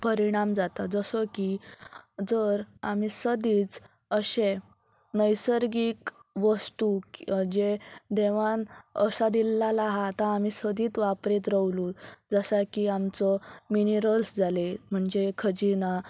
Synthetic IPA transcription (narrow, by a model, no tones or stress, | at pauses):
pəɾiɽ̃amd͡zat̪ad͡zəsɔki | d͡zəɾamisəd̪iːt͡s | əɕẽ | nəjsəɾɡiːkʋəst̪ud͡ʑed̪eʋanəsad̪ilːalaɦat̪ãːmisəd̪ʱiːt̪ʋapɾit̪ɾəʋlud͡zəsakiamt͡sɔminiɾəlsd͡zʱalem̤əɳd͡zekʰəd͡ʑina